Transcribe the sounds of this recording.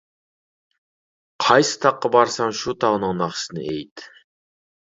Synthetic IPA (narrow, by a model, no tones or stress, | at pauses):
qʰɑjsɨ̥t̪ʰɑqːɑbɑɾsɑmʃut̪ʰɑʁnɨŋnɑχsɨnɪ̰ʔejt̪